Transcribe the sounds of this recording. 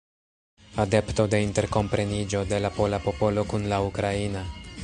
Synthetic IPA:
ade̞pto̞de̞inte̞ɾko̞mpɾe̞nid͡ʒo̞de̞lapo̞lapo̞po̞lo̞kunlaukɾaina

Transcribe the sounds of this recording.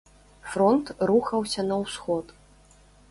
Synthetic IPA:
fɾɔnt̪ruxɐwsʲɐnɐwsxɔt̪

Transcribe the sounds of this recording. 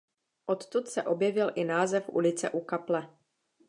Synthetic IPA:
ʔo̞t̪t̪ut̪sɛʔo̞bjɛvɪlʔɪnaːzɛfʔṵlɪt͡sɛ̰ʔukaplɛ

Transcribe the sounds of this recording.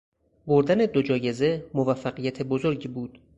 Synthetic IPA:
boɾd̪æne̞d̪od͡ʒɒːje̞ze̞movæfːæɢijæt̪ʰe̞bozo̞ɾɟiːbuːd̪̥

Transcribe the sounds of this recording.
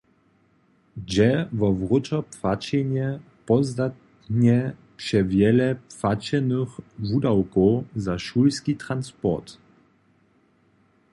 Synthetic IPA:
d͡ʑɛvɔvʁut͡ʃɔpfat͡ɕɛɲɛ | pɔzd̪at̪ | ɲɛ | pʂɛvjɛlɛpfat͡ɕɛnəxvudawkɔwzaʃulskit̪ɾanspɔ̰t̪

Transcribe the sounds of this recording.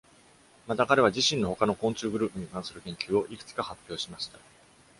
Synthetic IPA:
mat̪akaɾe̞βad͡ʑiɕĩno̞ho̞kano̞kõ̞ɲ̟t͡ɕɨːɡɯ̟ɾɯ̟ːpɯ̟ɲ̟ikãɰ̃sɨɾɯ̟kẽ̞ŋkʲɨːo̞ʔikɯ̟̥t͡sɨ̥kahapʲːjo̞ːɕimaɕi̥t̪a

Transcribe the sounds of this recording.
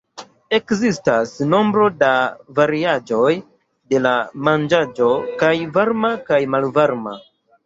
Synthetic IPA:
e̞kzistasno̞mbɾo̞davaɾiad͡ʒo̞j | de̞lamand͡ʒad͡ʒo̞kajvaɾmakajmalvaɾma̰

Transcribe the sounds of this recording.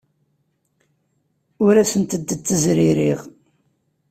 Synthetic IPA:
ʊɾæsənt̪əd̪ːət͡s̪ːəzɾiɾiʁ

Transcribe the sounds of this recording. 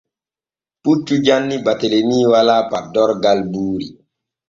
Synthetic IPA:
put͡ʃːud͡ʒanːibatelemiːwalaːpadɔɾɡalbuːɾi

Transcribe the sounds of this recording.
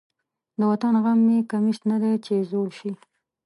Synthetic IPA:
d̪əwat̪anɣamːekamiʃt̪nad̪et͡ʃezoɽʃi

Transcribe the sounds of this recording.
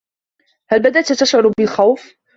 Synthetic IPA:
halbad̪aʔt̪t̪aʃʕʊɾˤbɪlxawf

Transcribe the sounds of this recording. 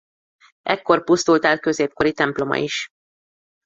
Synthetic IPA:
ʔɛkːo̞rpust̪ult̪aːl̚kø̞zeːp̚ko̞ɾit̪ɛmplo̞mɒ̰iʃ

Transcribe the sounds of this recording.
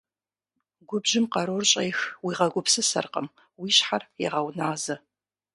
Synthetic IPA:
ɡʷʊbʒɪmqɐɾorɕʼɐjxwiːʁɐɡʷʊpʰsɨsɐ̰rqəm | wiːɕħarjɛ̰ʁɐwnaːzɐ

